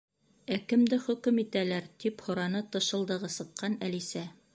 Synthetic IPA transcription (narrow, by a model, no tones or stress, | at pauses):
ækɘ̆md̪ɘχɵ̆kɘmit̪ælæɾt̪iphŏɾɑnɤt̪ɤ̆ʃɤ̆lˠd̪ɤ̆ʁɤsɤ̆qːɑnælisæ